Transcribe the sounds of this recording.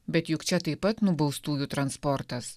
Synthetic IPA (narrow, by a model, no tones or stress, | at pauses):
bʲɛt̪jʊkt͡ʃʲɛt̪ɐɪpɐt̪nʊbɐʊst̪uːjut̪ɾɐnspɔɾt̪ɐs